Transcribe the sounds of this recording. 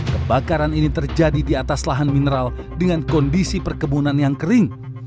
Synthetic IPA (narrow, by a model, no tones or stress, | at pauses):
kəbakaɾaninit̪ərd͡ʒadidiat̪aslaɦanminəɾal | dəŋankɔndisipərkəbunanjaŋkəɾɪŋ